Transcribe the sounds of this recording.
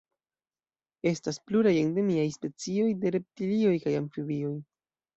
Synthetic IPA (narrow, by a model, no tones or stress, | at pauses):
e̞staspluɾajende̞miajspe̞t͡sio̞jde̞ɾe̞p̚tilio̞jkajaɱfivio̞j